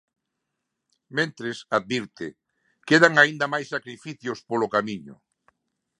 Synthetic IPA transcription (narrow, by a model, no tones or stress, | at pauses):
mẽnt̪ɾesaðβiɾt̪ɪ | keðaŋaind̪ɐmajsːakɾifiθjʊspolokamiɲʊ̰